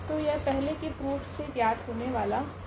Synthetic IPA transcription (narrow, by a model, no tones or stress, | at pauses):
t̪ojapɛɦlekepɾuːfʰsep̪jaːd̪ɦoːneʋaːla